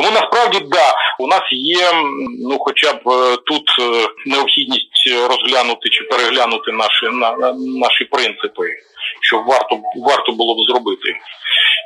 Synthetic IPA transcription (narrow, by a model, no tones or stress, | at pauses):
t̪ɔmunɐspɾɑwdʲid̪ɑʊnɑsjɛnuxɔt͡ʃʲabt̪ut̪neɔpxʲidʲnʲisʲtʲɾɔzɦlʲanʊt̪ɪt͡ʃɪpeɾeɦlʲanʊt̪ɪnɑʃɪnnɑʃipɾɪnt̪sɪpɪʃt͡ʃɔbʋɑrt̪ɔbʋɑrt̪ɔbʊlˠɔbzɾɔbɪt̪ɪ